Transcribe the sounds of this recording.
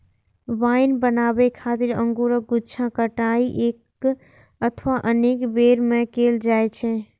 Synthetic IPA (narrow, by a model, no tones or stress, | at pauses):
ʋainbənabɛkʰat̪iɾəŋɡuɾəɡut͡ʃʰãkəʈaiʔek | ət̪ʰʋaʔənekbeɾmẽkeld͡ʒajt͡ʃʰɛ